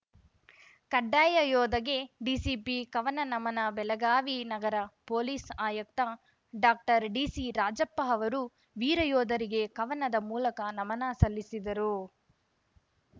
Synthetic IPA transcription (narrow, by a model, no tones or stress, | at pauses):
kɐɖːaːjɐjɔːd̪ɐɡe̞ɖiːsipikɐʋɐnɐnɐmɐnɐbɛlɐɡaːʋinɐɡɐɾɐpoːliːsaːjɐk̚t̪ɐ | ɖaːk̚ʈɐɾɖiːsiɾaːd͡ʒɐpːɐɦɐʋɐɾu | ʋiːɾɐjɔːd̪ɐɾiɡe̞kɐʋɐnɐd̪ɐmuːlɐkɐnɐmɐnaːsɐlːisid̪ɐɾu